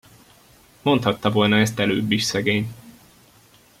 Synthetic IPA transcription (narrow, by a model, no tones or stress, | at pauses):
mo̞nt̪hɒt̪ːɒvo̞lnɒɛst̪ɛløːbːiʃsɛɡeːɲ